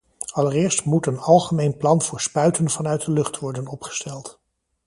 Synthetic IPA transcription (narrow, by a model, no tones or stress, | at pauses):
ɑləɹɪːɹstmutənɑlˠχəmejnplɑnv̥ʊːɹspœɥtənvɑnœɥt̚dəlɵχtʋɔɹdənɔpχə̥stɛlˠt